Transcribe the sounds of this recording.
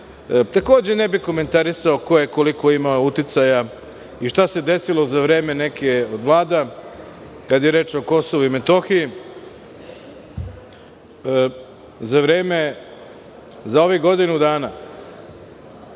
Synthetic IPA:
t̪ako̞ːd͡ʑenebiko̞me̞nt̪aɾisaoko̞jekoliko̞imaout̪it̪saja | iʃt̪ase̞d̪e̞silˠo̞zaʋɾe̞ːme̞ne̞keod̪ʋlˠaːd̪a | kad̪jeɾe̞ːt͡ʃoko̞soʋuime̞t̪o̞xiji | zaʋɾe̞ːme̞ | zao̞ʋiɡo̞d̪inud̪aːna

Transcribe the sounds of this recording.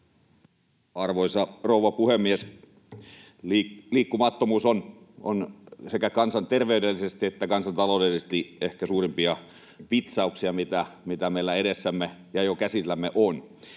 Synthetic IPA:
ɑrʋoisɑrouʋɑpuhemːies | liːkːumɑt̪ːomuːson | o̰nsekækɑnsɑnt̪erʋeydelːisest̪iet̪ːækɑnsɑnt̪ɑloˑudelisest̪iehkæsuːrimpiɑ | ʋit̪sɑuksiɑmit̪æmit̪æmeilːæeɾesːæmːejɑjokæsilːæmːeʔon

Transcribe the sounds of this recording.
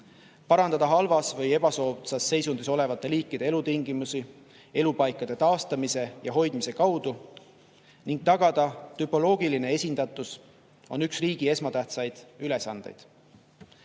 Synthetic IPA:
pɑɾɑnd̪ɑd̪̥ɑɦɑlvɑsvɤje̞b̥ɑso̞ːsɑsːe̞jsund̪iso̞le̞vɑt̪ːˑe̞liːkːid̪̥e̞e̞lut̪iŋɡ̥imusi | e̞lupɑjkˑːɑd̪̥e̞t̪ɑːst̪ɑmise̞jɑɦo̞jd̪mise̞kɑwd̪̥u | niŋɡ̥̚t̪ɑɡ̥ɑd̪̥ɑt̪ypˑo̞lo̞ːɡ̥iline̞e̞sʲind̪̥ɑt̪ːˑus | o̞nyksriːɡ̥ie̞smɑt̪æht̪sɑjd̪̥yle̞sɑnd̪̥e̞̰jd̪̥

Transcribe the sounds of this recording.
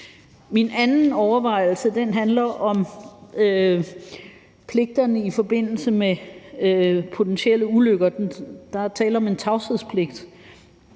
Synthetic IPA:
minænn̩ɒʊɐʋɑ̈ɪ̰l̩səd̥enɦænlɐʔɒ̽mø | pʰle̝ɡ̥̚d̥ɐnəifɒ̽b̥e̝n̰l̩səme | pʰo̝t͡sʰenɕiel̰əuløɡ̥ɐd̥nd̥ɑ̈t͡sʰɛ̰ːlɐɒ̽me̝nt͡sʰɑ̈ʊseð̰ˠspʰle̝ɡ̥̚d̥

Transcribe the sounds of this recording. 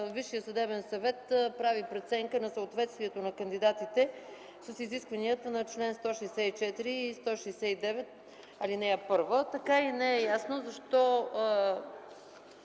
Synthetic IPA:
viʃːijəsɐd̪ɛbɛnsɐvɛt̪pɾavipɾɛt̪sɛŋkənɐsəot̪vɛt̪st̪viɛt̪onɐkənd̪id̪at̪it̪ɛ | səsiziskvɐniət̪ənɐt͡ʃlɛnst̪ɔʃɛjsɛit͡ʃɛt̪iɾiːst̪ɔʃɛjsɛid̪ɛvɛt̪̚ | ɐlinɛɛpɤɾvət̪ɐkainɛɛjasnozɐʃt̪ɔ

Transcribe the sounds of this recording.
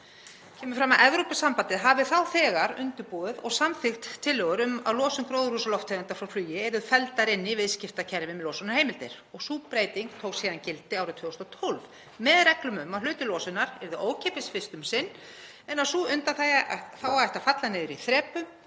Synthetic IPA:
cʰɛːmʏfɾamaðʔɛvɾopɪsampant̪ɪɦavɪθawθɛːɣaɾʏ̰nt̪ʏɾpɔːðʏðɔ̰ɣsamfɪxt̪ʰːɪlːœːɣʏɾʏma̰ðlɔːsʏmkɾoːwðɾhusalɔft̪ʰːant̪aɾfɾawflyːjɪɛɾðʏfɛlt̪aɾɪnːɪvɪðscɪft̪acʰɛɾvɪmlowsɔnḁheːjmɪlt̪ɪɾ̥ | ɔɣsuːpɾeːjt̪iŋkt̪ʰoːwksiːðancɪlt̪ɪaːwɾʏt̪ʰʏːst̪ɔt̪ʰɔlv | mɛðɾɛklʏmʏmːaðlʏːɥt̪ʏlɔːsʏnaɾɛɾðʏʔoːwcʰeːpɪsfɪst̪ʏmsɪnː | ɛnasuːʏnt̪aθaθawaɛht̪afat̪lanɪðʏɾiθɾɛːpʏm

